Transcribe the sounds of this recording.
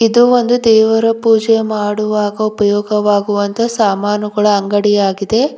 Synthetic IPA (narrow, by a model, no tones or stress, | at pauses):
id̪uo̞nd̪ud̪ɛːʋɐɾɐpuːd͡ʒemaːɽuʋaːɡɐupɐjɔːɡɐʋaːɡuʋɐnt̪ʰɐsaːmaːnuɡɐɭɐːŋɡɐɽijaːɡid̪e̞